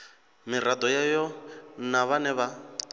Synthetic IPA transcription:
mir̤ad̪ɔjajɔnaβanɛβa

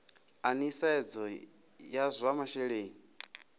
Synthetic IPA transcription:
anisaɛd͡zɔ | jazʷamaʃɛɺeːni

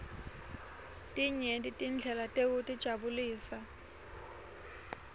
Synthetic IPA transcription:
tʼiɲeditʼind͡ɮʱɛlatʼeutʼid̥ʒ̥ʱabuliːsa

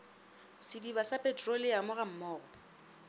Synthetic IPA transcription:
sɪdibasapʼɛtʰʼrolɪjamʊɣam̩mɔːɣɔ

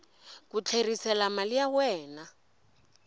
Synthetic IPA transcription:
kut͡ɬʰerisɛlamalijawɛːna

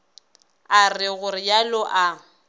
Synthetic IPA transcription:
arɪɣʊrɪjalʊʔa

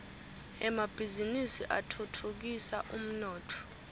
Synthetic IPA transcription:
ɛmab̥ʱizinisiʔatʰutʰuk̬isaʔum̩nɔːtʰɔ̥

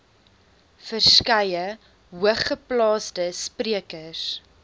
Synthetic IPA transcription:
fərskɐjə | ɦuəχːəplɑːsdəspriəkəs

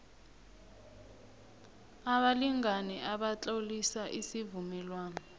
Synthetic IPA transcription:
aɓaliŋanɛʔaɓat͡ɬʼaulisaʔisivumɛlwaːnɔ

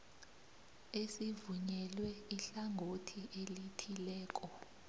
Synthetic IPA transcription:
esivuɲɛlwɛiɬaŋʱotʰiʔelitʰilɛːk̬ʼɔ

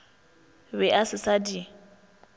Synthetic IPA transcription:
bɛʔasɪsadi

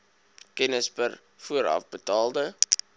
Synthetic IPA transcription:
kɛnəspər | fuəɾɐ̰fbətɑːlˠdə

